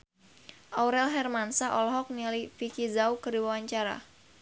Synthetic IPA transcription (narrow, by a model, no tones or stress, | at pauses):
ʔawɾɛlɦɛrmansaʔɔlɔɦɔk̚nilifikizaukərdiwawaɲt͡ʃaɾa̰